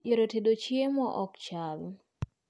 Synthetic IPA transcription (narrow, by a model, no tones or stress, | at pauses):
eɾotedot͡ʃjemɔʔɔkt͡ʃal